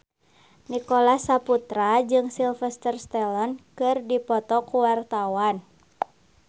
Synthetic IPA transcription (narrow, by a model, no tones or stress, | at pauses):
nikolasaput̪ɾad͡ʒɨŋsilfɛst̪ərst̪ɛlɔnkɨrdipɔt̪ɔkuwart̪awan